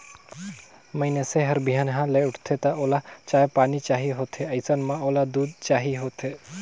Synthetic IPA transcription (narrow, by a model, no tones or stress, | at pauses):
məɪneseɦəɾbʱijanɦãləʊʈʰt̪ʰet̪ɐoːlat͡ʃaːjpaːnit͡ʃaːɦiɦoːt̪ʰeəɪsənmãoːlad̪uːd̪̚t͡ʃaːɦiɦoːt̪ʰe